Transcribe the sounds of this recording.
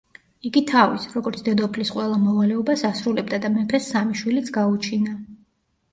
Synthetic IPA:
iɡit̪ʰavisɾɔɡɔɾt̪sʰd̪ɛd̪ɔpʰlisqʼwɛlˠamɔvalɛɔbasasɾulɛb̚d̪ad̪amɛpʰɛsːamiʃwilit̪sʰɡaut͡ʃʰina

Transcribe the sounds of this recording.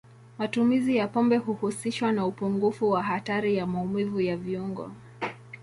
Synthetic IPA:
matumizijapɔmbɛɦuhusiʃwanaupuŋɡufuwaɦataɾijamaumivujaviuŋɡɔ̰

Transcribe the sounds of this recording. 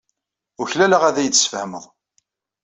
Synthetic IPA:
ʊɾçlæləʁæðæjəθsfəhməðˤ

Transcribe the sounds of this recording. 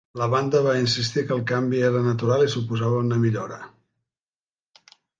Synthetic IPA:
ləβand̪əβainsist̪ikəlˠkambieɾənət̪uɾalisupuzaβəunəmiʎoɾə

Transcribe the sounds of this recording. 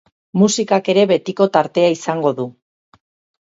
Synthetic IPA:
musikake̞ɾe̞βe̞t̪iko̞t̪aɾt̪e̞aisaŋɡo̞ðu

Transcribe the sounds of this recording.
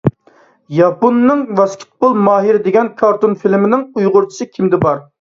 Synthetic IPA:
jɑpunːɨŋvɑskʲʰɪ̥t̪̚bulˠmɑːɦiɾɪd̪eɡʲɛnkʰɑɾt̪unfilmɪnɪŋujʁʊɾt͡ʃʰi̥sɨkʲʰimd̪ɪbɑɾ

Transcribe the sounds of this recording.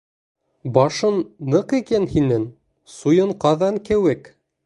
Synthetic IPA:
bɒʃɤnːɤqikænhinɘŋ | sujɤ̆ɴqɑðɑŋkɘ̆wɘk

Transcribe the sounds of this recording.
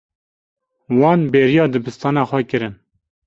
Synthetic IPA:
wɑːnbeːɾijɑːd̪ɨbɨst̪ɑːnɑːxʷɛkɨɾɨn

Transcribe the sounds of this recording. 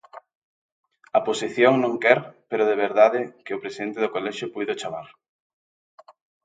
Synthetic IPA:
ɐposiθjoŋnõŋkɛɾpeɾʊðeβeɾðaðɪkɪʊpɾesiðent̪ɪðʊkolɛʃʊpujðʊt͡ʃaβa̰ɾ

